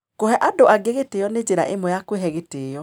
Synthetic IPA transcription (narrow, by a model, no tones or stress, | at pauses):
kohɛʔadoaɡeɣetejɔned͡ʑeɾa̰ʔemɔjakweɦɛɣeteːjɔ